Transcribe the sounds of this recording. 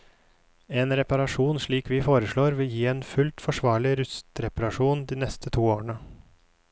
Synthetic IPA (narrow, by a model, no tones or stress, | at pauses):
eːnɾɛpɑɾɑʂuːnʂɭiːkʋɪfoːɾəʂɭoːɾʋɪljiːeːnfʉlt̪fɔʂʋɑːɭɪɾʉst̪ɾɛpɑɾɑʂuːnd̪iːnɛst̪ət̪ʰuːoːəɳə